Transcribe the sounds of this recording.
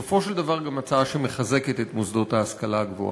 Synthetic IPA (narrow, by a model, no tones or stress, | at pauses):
ofo̞ʃeld̪avaʁɡamat͡saaʃeme̞χaze̞ket̪et̪mosd̪o̞t̪haːskalaɡvo̰